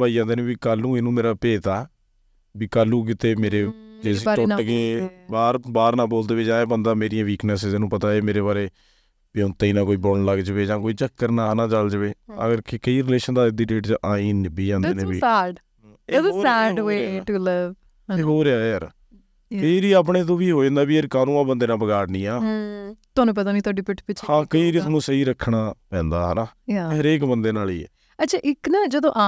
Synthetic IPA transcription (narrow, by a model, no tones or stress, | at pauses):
baːid͡ʒãːnd̪eːnẽːbiːkaːlːũːenũːmeːɾaːpeːt̪aː | biːkaːlːũːk̬ɪt̪eːmeːɾeːd͡ʒeːsiʈokẽːbaːɾbaːɾnãːboːld̪eːʋeːd͡ʒãːẽːbənd̪aːmeːɾɪjãːʋiːknəseːenũːpət̪aːeːmeːɾeːbaːɾeː | beʊnt̪aːiːnãːkoːiːboːlnləɡd͡ʒəʋeːd͡ʒãːkoːiːt͡ʃəkːəɾnaːnãːd͡ʒəld͡ʒəʋeːə̰ɡəɾkekəiːɾɪleːʃənd̪aːɪd̪iːʈeːʈt͡ʃʔaːĩːnɪbiːãːnd̪eːndẽːbiːɛːɖ | eoɛːɖoeːʈulɪʋ | eɦoːɾeaːəɾ | pʰeɾiːaːp̬ɳẽːt̪̬õːʋiːɦoːd͡ʒãːnd̪aːbiːəɾkaːnũːãːbənd̪eːnãːbəɡaːʈnĩːaːt̪ʊɦaːnũːp̬ət̪aːʋiːt̪ʊaɖiːpɪʈpɪt͡ʃhãːkəiːɾit̪ʰːnũːsəiːɾəkʰːɳaːpɛ̃ːnd̪aːɦənaːjaɦəɾeːkbənd̪eːnaːliːɛ̰ː | ətːt͡ʃʰaːʔɪknaːd͡ʒəd̪õːʔa